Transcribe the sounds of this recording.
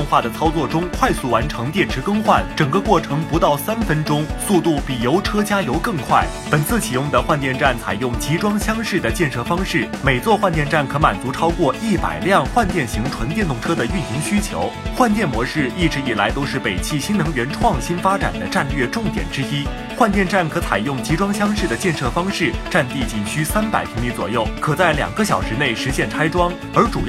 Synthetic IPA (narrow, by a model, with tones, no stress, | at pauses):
ʊ˥˧ŋxwa˥˩d̪ə˩t͡sʰɑ˥ʊt͡swɔ˥˩ʈ͡ʂʊ˥ŋkʰwa˥˧ɪsu˥˩wa˧˥nʈ͡ʂʰɤ˧˥ŋt̪jɛ˥˩nʈ͡ʂ̩ʰ˧˥kɤ˥ŋxwa̰˥˩nʈ͡ʂɤ˨˩ŋɡə˧˦kwɔ˥˩ʈ͡ʂʰɤ˧˥ŋpu˧˥t̪ɑ˥˩ʊsa˥nfə˥nʈ͡ʂʊ˥ŋsu˥˧t̪u˥˩pi˨˩jo˧˥ʊʈ͡ʂʰɤ˥t͡ɕja˥jo˧˥ʊkɤ˥˧ŋkʰwa˥˩ɪpə˨˩nt͡sʰɹ̩˥˩t͡ɕʰi˨˩jʊ˥˩ŋd̪ə˩xwa˥˧nt̪jɛ˥˧nʈ͡ʂa˥˩nt͡sʰa˨˩ɪjʊ˥˩ŋt͡ɕi˧˥ʈ͡ʂwɑ˥ŋɕjɑ˥ŋʂɻ̩˥˩d̪ə˩t͡ɕjɛ˥˧nʂɤ˥˩fɑ˥ŋʂɻ̩˥˩me˨˩ɪt͡swɔ˥˧xwa˥˧nt̪jɛ˥˧nʈ͡ʂa˥˩nkʰɤ˧˥ma˨˩nt͡su˧˥ʈ͡ʂʰɑ˥ʊkwɔ˥˧ʔi˥˩pa̰˨˩ɪljɑ˥˧ŋxwa˥˧nt̪jɛ˥˩nɕi˧˥ŋʈ͡ʂʰwə˧˥nt̪jɛ˥˧nt̪ʊ˥˩ŋʈ͡ʂʰɤ˥d̪ə˨y˥˩ni˧˥ŋɕy˥t͡ɕʰjo̰˧˥ʊxwa˥˧nt̪jɛ˥˩nmwɔ˧˥ʂɻ̩˥˩i˥˩ʈ͡ʂɻ̩˧˥i˨˩la˧˥ɪt̪o˥ʊʂɻ̩˥˩pe˨˩ɪt͡ɕʰi˥˩ɕi˥nnɤ˧˥ŋɥɛ˧˥nʈ͡ʂʰwɑ˥˧˩ŋɕi˥nfa˥ʈ͡ʂa̰˨˩nd̪ə˦ʈ͡ʂa˥˧nlɥɛ˥˧ʈ͡ʂʊ˥˩ŋt̪jɛ̰˨˩nʈ͡ʂɻ̩˥i˥ | xwa˥˧nt̪jɛ˥˧nʈ͡ʂa˥˩nkʰɤ˧˥t͡sʰa˨˩ɪjʊ˥˩ŋt͡ɕi˧˥ʈ͡ʂwɑ˥ŋɕjɑ˥ŋʂɻ̩˥˩d̪ə˩t͡ɕjɛ˥˧nʂɤ˥˧fɑ˥ŋʂɻ̩˥˩ʈ͡ʂa˥˧nt̪i˥˧˩t͡ɕi˨˩nɕy˥sa˥npa̰˨˩ɪpʰi˧˥ŋmi˧˥t͡swɔ̰˨˩jo˥˩ʊkʰɤ˨˩t͡sa˥˩ɪljɑ̰˨˩ŋɡə˦ɕ̬jɑ˨˩ʊʂɻ̩˧˥ne˥˩ɪʂɻ̩˧˥ɕjɛ˥˩nʈ͡ʂʰa˥ɪʈ͡ʂwɑ˥ŋ | ə˞˧˥ʈ͡ʂu˨˩